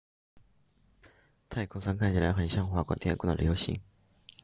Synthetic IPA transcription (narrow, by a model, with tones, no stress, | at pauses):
t̪ʰa˥˩ɪkʰʊ˥ŋsa˥ŋkʰa˥˩nt͡ɕʰi˨˩la˧˥xə˨˩nɕjɑ˥˧ŋxwa˥˩kwa̰˥˩t̪ʰɛ˥kwnə̰˨ljo˧˥ʊɕḭ˧˥ŋ